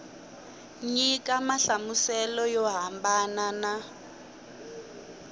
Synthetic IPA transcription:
ɲik̬ʼamaɬamusɛlɔjɔɦambanana

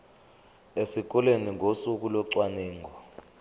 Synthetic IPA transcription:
esik̬ɔleniŋʱosuk̬ulɔǀwanɛːŋɡʱɔ

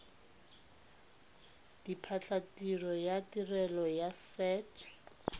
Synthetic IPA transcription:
d̥ipʰat͡ɬʰatirɔjatirɛlɔjasɛtʰ

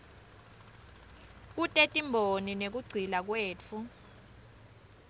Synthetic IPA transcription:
k̬utʼetʼimbʱoninek̬uɡ͡ǀʱilak̬weːt͡fʰu

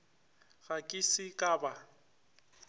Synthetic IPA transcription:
ɣakʼɪsɪkʼaːba

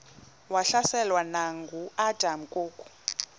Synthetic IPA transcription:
waɬasɛlwanaŋɡuʔad̥ʱam̩kʼoːkʼu̥

